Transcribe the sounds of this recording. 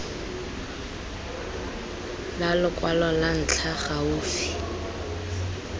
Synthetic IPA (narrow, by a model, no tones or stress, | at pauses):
lalʊkʼwalɔlan̩t͡ɬʰaχauːfi̥